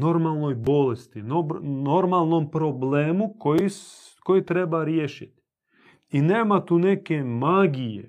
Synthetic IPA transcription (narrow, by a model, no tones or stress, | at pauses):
no̞ɾmalˠno̞jbo̞lest̪inonoɾmalˠno̞mpɾobleːmukoji | ko̞jit̪ɾe̞baɾjeʃit̪ | ineːmat̪uːne̞kemaɡijḛ